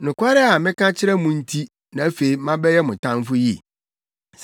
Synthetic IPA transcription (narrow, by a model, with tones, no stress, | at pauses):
nʊ̃˨kʷʰa˦ɾɛ˦a˨mɪ̃˦kã˦t͡ɕʰɪ˦ɾɛ˦mũ˨n̩˦tʰi˦ | nã˨æ˦fe˨i˦mã˦bɛ˦jɛ˦mʊ̃˨tʰã˦n˦fʊ˦ji˦˨